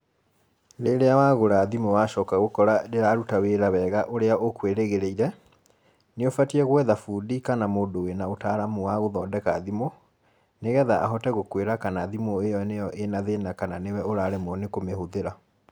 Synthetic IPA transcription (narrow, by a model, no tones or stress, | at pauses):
ɾeɾeawaːɣoɾaðimowaʃɔkaɣokɔɾadeɾaɾutaweɾawɛːɣaʔoɾeaʔokweɾeɣeɾeiɾɛ | neofatiɛɣwɛðafudikanamoːndowenaotaɾamuwaɣoðɔːndɛkaðimo | neɣɛðaʔa̰ɦɔtɛɣokweɾakanaðimoejɔnejɔʔenaðenakananewɛoɾaːɾemwɔnekomehoðeɾa